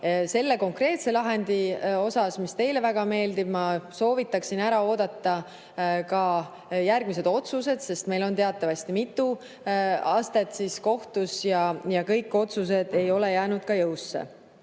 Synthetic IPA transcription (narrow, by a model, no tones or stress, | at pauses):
se̞lːe̞ko̞ŋkre̞ːt̪se̞lɑɦe̞nd̪̥io̞sɑsmist̪e̞jle̞væɡ̥ɑme̞ːld̪̥ib̥mɑso̞ːvit̪ːˑɑksinæɾɑo̞ːd̪̥ɑt̪ːɑ | kɑ | jærɡ̥mis̬e̞d̪̥o̞t̪suse̞d̪̥se̞st̪me̞jlo̞nt̪e̞ɑt̪ːˑɑvɑst̪imit̪ˑːu | ɑːst̪e̞t̪sisko̞ht̪usjɑjɑkɤjkːˑo̞t̪sus̬e̞d̪̥e̞jo̞lejæːnud̪̥̚kɑjɤwsːḛ